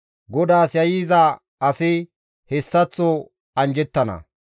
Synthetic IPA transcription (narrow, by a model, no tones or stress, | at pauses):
ɡɔd̪aːsjɐjiːza | ɐsɪ | hɛsːɐt͡sːɔ | ɐnd͡ʒɛt̪ːɐnɐ̰